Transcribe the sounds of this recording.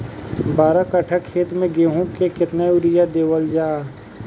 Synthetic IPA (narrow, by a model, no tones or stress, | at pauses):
baːɾakəʈʰəkʰːeːt̪mẽɡeːɦũkekɪt̪naʊɾɪjad̪eːwəld͡ʒaː